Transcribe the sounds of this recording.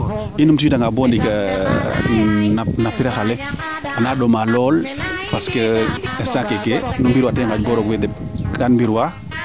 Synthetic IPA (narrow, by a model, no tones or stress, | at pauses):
inumtiwidaŋɡabɔndika | nanapiɾaxalɛ | anaːɗɔmalɔːlpaskeɛsakekenumbiɾwatɛŋkabɔɾɔkwedɛkanmbiɾwa